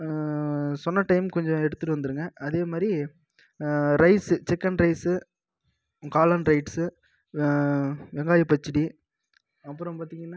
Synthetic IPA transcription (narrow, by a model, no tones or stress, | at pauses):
sɔnːɐʈɐɪmkɔɲd͡ʒɔ̃ɛɽɯt̪ːɯʈːɯʋɐnd̪ɯɾɯŋɡɐʔɐðeːmaːd̪ɾi | ɾɐɪsɯt͡ʃɛkːɐnɾɐɪsɯ | kaːlɐnɾɐɪʈsɯ | ʋɛŋɡaːjɐpɐt͡ʃːɪɽi | ɐpːɯɾɔ̃mpaːɾt̪iːŋɡɐnː